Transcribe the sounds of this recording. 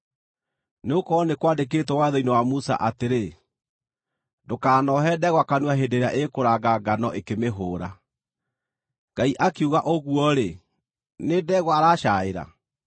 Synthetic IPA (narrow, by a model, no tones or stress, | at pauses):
neokɔnekwadek̬eːtwɔwaðɔinewamusa̰ʔateɾe | dokaːnɔɦɛdɛɣwakanwaɦedeɾeaʔekoɾaɡaɡanɔʔekemeɦoːɾa̰ | ɡaiʔakeuɣaʔoɣuɔɾe | nedɛːɣwaaɾaːʃaeɾa̰